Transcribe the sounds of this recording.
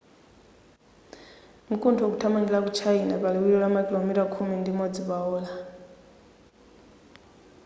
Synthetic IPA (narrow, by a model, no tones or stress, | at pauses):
mukʼuntʰɔkutʰamaŋɡilak̬ut͡ʃʰainapalɛijɔlamakʼilomitakʰumɛndimɔd͡ziβaɔːla